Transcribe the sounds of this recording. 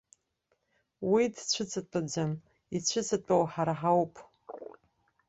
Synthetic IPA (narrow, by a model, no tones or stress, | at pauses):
widt͡ɕʷʰɨt͡sʰʼat͡pʼad͡ʒam | it͡ɕʷʰɨt͡sʰʼatʼawħaɾaħawpʰʼ